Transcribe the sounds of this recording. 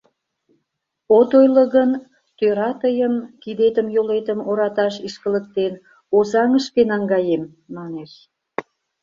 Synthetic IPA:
ot̪ojlə̆ɣən | t̪øɾɑt̪əjəmkid̪et̪əmjolet̪əmoɾɑt̪ɑʃiʃkələk̚t̪en | ozɑŋəʃkenɑŋɡɑjemː | ɑneʃ

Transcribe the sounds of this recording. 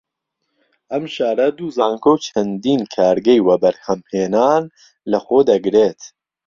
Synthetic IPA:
ɐmʃaːɾɐd̪uːzaːŋkʰowt͡ʃʰɐnd̪iːnkʰaːɾɡɛjwɐbɐɾhɐmheːnaːn | lɐxoːd̪ɐɡɾeːt̪

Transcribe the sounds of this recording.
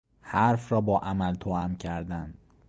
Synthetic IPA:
hæɾfɾɒːbɒːʔæmælt̪ʰoæmcʰæɾd̪ænd̪

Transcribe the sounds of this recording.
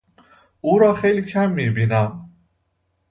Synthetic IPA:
ʔuːɾɒːxejliːcʰæmːiːbiːnæm

